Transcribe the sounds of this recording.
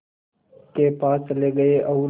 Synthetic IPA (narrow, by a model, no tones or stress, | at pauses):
keːpaːsleːɡəeʔɐʊ